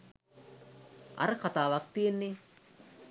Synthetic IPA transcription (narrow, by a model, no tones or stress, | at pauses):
a̰ɾəkat̪aːʋak̚t̪ijenːe